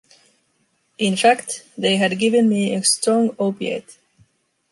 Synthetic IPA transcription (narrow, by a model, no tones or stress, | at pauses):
ʔɪ̃nfækt̪ðeɪɦɨd̚ɡɪvɨ̃nmiɨstɹ̥ɔ̃ŋoʊpiḛt